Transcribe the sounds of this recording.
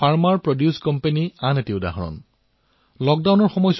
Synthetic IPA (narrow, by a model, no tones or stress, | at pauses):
fʰaɹmaɹpɹodjuskɔmpenianetiʊda̰ɦɔɹɔ̰n | lɔk̚dawnɔɹxɔmɔjs